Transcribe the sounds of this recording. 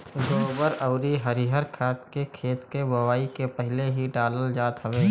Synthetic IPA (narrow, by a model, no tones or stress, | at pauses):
ɡoːbəɾəʊɾiɦəɾiɦəɾkʰaːt̪kekʰeːt̪kebəwaːikepəɦɪleɦiɖaːləld͡ʒaːt̪ɦəʋeː